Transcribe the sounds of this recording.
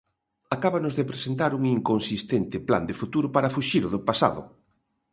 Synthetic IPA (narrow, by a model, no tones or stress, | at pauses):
akaβanʊzðepɾesent̪aɾuŋiŋkonsist̪ent̪ɪpla̰nd̪efut̪uɾʊpaɾafuʃiɾʊðʊpasa̰ðʊ̰